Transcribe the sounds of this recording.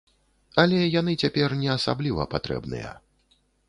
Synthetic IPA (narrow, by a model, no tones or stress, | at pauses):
ɐlʲɛjan̪ɨt͡sʲapʲɛrnʲɛasa̰blʲivɐ̰pat̪ɾɛ̰bnɨ̰jɛ̰